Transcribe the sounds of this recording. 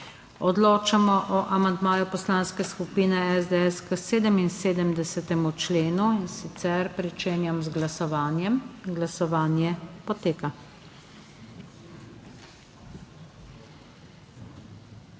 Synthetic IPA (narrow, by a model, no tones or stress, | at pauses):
ɔd̪loːt͡ʃamɔʔɔʔamand̪maːjupɔslaːnskɛskupiːnɛɛzd̪eɛskəseːd̪əminseːd̪əmd̪ɛsɛt̪ɛmut͡ʃleːnuinsit̪sɛɾpɾit͡ʃeːnjamzɡlasɔʋaːnjɛmɡlasɔʋaːnjɛpɔt̪eːka